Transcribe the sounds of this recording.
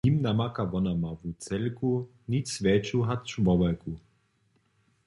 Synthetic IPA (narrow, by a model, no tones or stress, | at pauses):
imnamakavɔnamavut͡sɛlku | nisvɛːt͡ʃuɦat̪t͡ʃumɔbaku